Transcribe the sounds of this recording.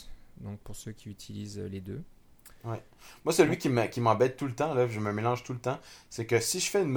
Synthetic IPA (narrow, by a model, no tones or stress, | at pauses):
d̪ɔ̃k̚puʁsøkʲiyt̪ʰilizled̪ø | wɛ | mwasəlɥikʲiməkʲimɑ̃bɛt̪̚ːulət̪ɑ̃laʒəməmelɑ̃ʒt̪ulət̪ɑ̃sɛkəsiʒəfɛynm